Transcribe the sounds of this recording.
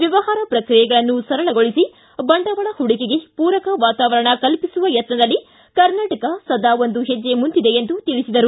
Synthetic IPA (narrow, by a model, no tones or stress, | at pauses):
ʋjɐʋɐɦaːɾɐpɾɐkɾijɛɡɐɭɐnːusɐɾɐɭɐɡo̞ɭisi | bɐɳɖɐʋɐɭɐhuɽikeɡe̞puːɾɐkɐʋaːt̪aːʋɐɾɐɳɐkɐlpisuʋɐjɐt̪nɐd̪ɐlːi | kɐɾnaːʈɐkɐsɐd̪aːʋo̞nd̪uɦed͡ʒːe̞mund̪id̪e̞ːnd̪ut̪iɭisid̪ɐɾu